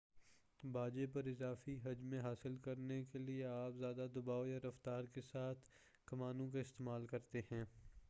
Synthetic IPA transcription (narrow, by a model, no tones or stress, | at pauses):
baːd͡ʒepɐɾɪzaːfiɦɐd͡ʒmẽɦaːsɪlkɐɾnekelieaːpzjaːd̪ad̪ʊbaːojaɾɐft̪aːɾkesaːt̪ʰ | kɐmaːnõk̬aɪst̪eːmaːlkɐɾt̪ehɛ̃ː